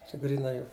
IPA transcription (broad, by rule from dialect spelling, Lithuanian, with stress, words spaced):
t͡ʃʲɛ ɡrʲiːˈnɐɪ ˈjɛʊ